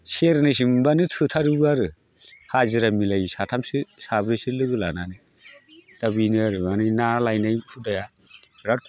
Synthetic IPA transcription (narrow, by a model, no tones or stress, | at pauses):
seɾnɯs̬imbanɯtʰɯtʰaɾɯbɯaɾɯ | hazɯɾamilajsatʰamsɯsabɾisɯlɯɡɯla̰nanɯ | d̥abinɯaɾɯanɯjnalajnajpʰudaja | ɾa